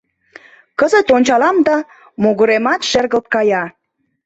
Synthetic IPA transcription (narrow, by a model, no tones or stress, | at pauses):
kəzə̆t̪onʲt͡ɕɑlɑmd̪ɑ | moɣuɾemɑt̪ʃerɣəlt̪̚kɑjɑ